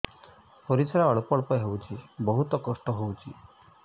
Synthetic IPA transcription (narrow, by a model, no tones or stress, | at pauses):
pɔɾisaɾaɔɭupɔɭɔpɔɦewt͡ʃʰibɔɦut̪ɔkɔsʈɔɦowt͡ʃʰi